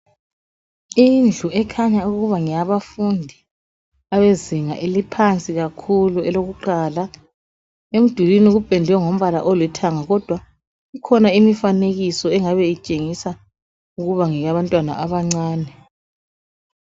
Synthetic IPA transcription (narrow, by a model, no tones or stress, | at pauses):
ind͡ɮʱuɛkʰaɲauɣuβaŋijaβafundʱi | aβeziŋa̰ʔelipʰant͡sʼiɣakʰuluɛloɣuǃala | em̩d̥ʱulinuɣub̥ʱɛndʱwɛŋom̩βala̰ʔɔlwɛtʰaŋaɣɔd̥ʱwa | ikʰɔnaimifaneɣisɔɛŋaβɛit͡ʃʼeŋisa | uɣuβaŋɛɣaβantʼwana̰ʔaβaŋ͡ǀaːnɛ